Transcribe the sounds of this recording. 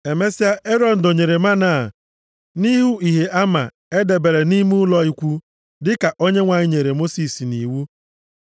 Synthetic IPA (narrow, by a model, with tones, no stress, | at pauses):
e˨me˦si˦a˦ʔe˦ɾɔ˦n̩˨do˨ɲe˨ɾe˨ma˦na˨ | ni˦ɦu˦i˨ɦe˨ʔa˦ma˨ | e˦de˨be˨ɾe˨ni˦mu˦ʊ˦lɔ˦i˦kʷu˦ | dɪ˦ka˨ʔo˦ɲe˦ŋʷa˨ɲɪ˦ɲe˨ɾe˨mo˦si˨si˨ni˨wu˦